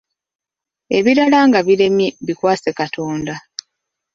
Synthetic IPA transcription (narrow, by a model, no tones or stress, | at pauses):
e̞βiɾalaːŋɡaβiɾe̞mjeβikwaːsekatʰo̞ːnda